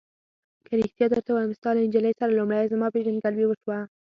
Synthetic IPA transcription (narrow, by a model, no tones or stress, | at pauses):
kəɾɪxt̪jɑd̪əɾt̪awamɪst̪ɑlaɪnd͡ʒaləjsaɾalumɽajzəmɑpeʒanɡalwewəʃwa